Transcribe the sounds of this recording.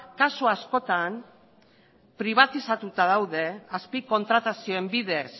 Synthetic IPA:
kasuasko̞t̪an | pɾiβ̞at̪isat̪ut̪aðawðe̞aspiko̞nt̪ɾat̪asio̞e̞mbiðe̞s

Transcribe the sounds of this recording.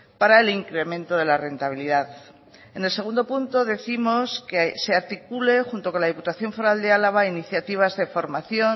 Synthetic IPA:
paɾae̞liŋkɾe̞mẽnt̪o̞ð̞e̞lare̞nt̪aβ̞iliðað | ene̞ls̬e̞ɣ̞ũnd̪o̞punt̪o̞ðe̞θimo̞skese̞aɾt̪ikule̞xunt̪oko̞nlaðiput̪aθjo̞ɱfo̞ɾald̪e̞alaβ̞ainiθjat̪iβ̞azðe̞fo̞ɾmaθjo̞n

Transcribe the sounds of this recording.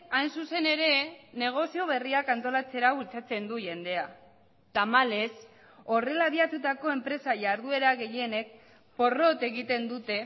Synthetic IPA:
ajnsuse̞ne̞ɾe̞ne̞ɣ̞o̞sio̞β̞e̞riakant̪o̞lat͡se̞ɾault͡sat͡se̞nd̪uʝe̞nd̪e̞a | t̪amale̞s | o̞re̞laβ̞iat̪ut̪ako̞e̞mpɾe̞saʝaɾð̞ue̞ɾaɣe̞je̞ne̞k̚ | po̞ro̞t̪e̞ɣit̪e̞nd̪ut̪e̞

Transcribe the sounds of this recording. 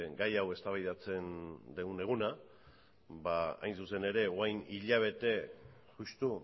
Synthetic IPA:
ɡajawe̞st̪aβajðat͡se̞nd̪eɣune̞ɣ̞una | baa̰jnsuse̞ne̞ɾe̞oajniʎaβ̞e̞t̪e̞ | ʝust̪u

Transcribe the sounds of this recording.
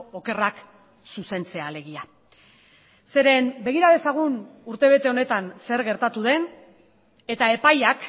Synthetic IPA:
o̞ke̞rak | suse̞nt͡se̞ale̞ɣia | se̞ɾe̞mbe̞ɣ̞iɾaðe̞saɣ̞unuɾt̪e̞β̞e̞t̪e̞o̞ne̞t̪anse̞ɾɣe̞ɾt̪at̪uðe̞n | e̞t̪ae̞pajak

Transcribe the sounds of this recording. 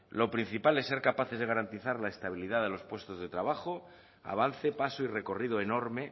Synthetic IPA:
lo̞pɾin̟θipale̞sːeɾkapaθe̞zðeɣaɾant̪iθaɾlaest̪aβ̞iliðaðe̞lo̞spwest̪o̞zðe̞t̪ɾaβ̞axo | a̰β̞an̟θe̞pasoire̞ko̞riðoe̞no̞ɾme̞

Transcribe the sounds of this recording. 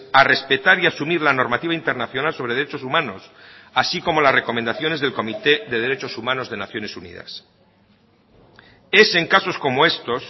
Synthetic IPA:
are̞spe̞t̪aɾiasumiɾlano̞ɾmat̪iβaint̪eɾnaθjo̞nalsoɾeðɾet͡ʃo̞sumãno̞sasiko̞mo̞lasre̞ko̞mend̪aθjo̞nezðe̞lko̞mit̪e̞ðe̞ð̞eɾe̞t͡ʃo̞sumãno̞zðe̞naθjo̞ne̞sunḭða̰s | e̞se̞ŋkaso̞sko̞moe̞st̪o̞s

